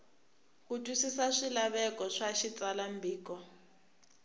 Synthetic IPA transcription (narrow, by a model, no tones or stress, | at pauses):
kutʼusisaʂilaβɛkɔʂaʃit͡salambʱiːkɔ